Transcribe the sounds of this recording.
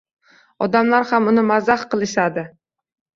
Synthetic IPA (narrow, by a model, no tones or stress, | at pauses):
ɒd̪amlaɾhamʊnɪmazahqɨlˠɪʃad̪ɪ